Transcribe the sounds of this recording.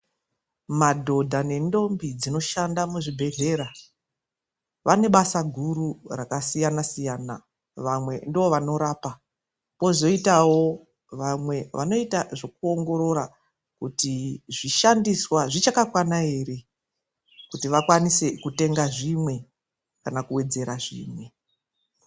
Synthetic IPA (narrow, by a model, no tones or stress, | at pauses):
madʱo̞dʱane̞ndo̞mbid͡zino̞ʃandamuʐibʱe̞ɦe̞ɾa | ʋane̞ɓasaɡʱuɾurakasijanasijaːna̰ | ʋamwe̞ndioʋano̞ɾaːpa | po̞zo̞itawo̞ | ʋamwe̞ʋa̰no̞itaʐo̞k̚uo̞ŋɡo̞ɾo̞ɾa | kutiʐiʃandiswaʐit͡ʃakakwanae̞ːɾe̞ | kutiʋakwanise̞kute̞ŋɡaʐimwe̞ | kanakuwe̞d͡ze̞ɾaʐḭːmwe̞